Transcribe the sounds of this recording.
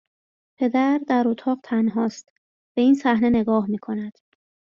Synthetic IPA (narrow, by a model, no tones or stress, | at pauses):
pʰe̞d̪æɾd̪æɾot̪ʰɒːɢt̪ʰænɦɒːst̪ | b̥e̞iːnsæhne̞ne̞ɡɒːhmiːkʰo̞næd̪̥